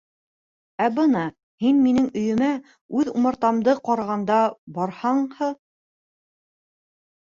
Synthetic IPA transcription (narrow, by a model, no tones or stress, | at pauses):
æbɤnɑ | hinminɘŋɵ̆jɵ̆mæ | ʉðumɑ̆ɾt̪ɑmd̪ɤqɑɾɑʁɑnd̪ɑbɑɾhɑɴhɤ